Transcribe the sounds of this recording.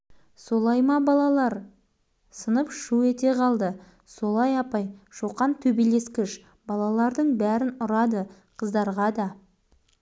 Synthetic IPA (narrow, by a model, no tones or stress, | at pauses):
so̞lˠɑjmɑbɑlˠɑlˠɑɾ | sənəpʃuet̪e̞qʰɑlˠd̪ə | so̞lˠɑjɑpɑjʃoqɑnt̪ʰɵbele̞skʲɪʃ | bɑlˠɑlˠɑɾd̪əɴbæɾɪnʊɾɑd̪ə | qʰəzd̪ɑɾʁɑd̪ɑ